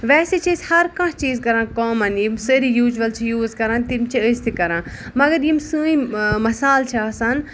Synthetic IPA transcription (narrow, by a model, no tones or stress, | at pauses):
ʋɛːset͡ʃʰiːzhɐɾkãːt͡ʃt͡ʃiːzkɐɾãːnkoːmɐnjimsəɾijuːd͡ʒʋɐlt͡ʃʰijuːzkɐɾãːnt̪imt͡ʃʰiəst̪ʰikɐɾãː | mɐɡɐɾjimsuːĩmɐsaːlt͡ʃʰiaːsan